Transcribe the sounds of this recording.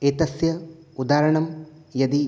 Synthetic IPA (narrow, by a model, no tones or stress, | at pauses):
eːt̪ɐsjɐud̪aːɾɐɳɐmjɐd̪i